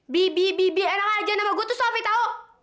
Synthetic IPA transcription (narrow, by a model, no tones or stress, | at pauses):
bibibibianaŋad͡ʒanamaɡut̪usɔfit̪ao